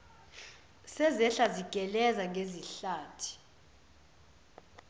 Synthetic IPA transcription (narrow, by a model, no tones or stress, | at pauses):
sɛzɛɬaziɡ̥ʼʱɛlɛzaŋʱeziɬaːtʰi̥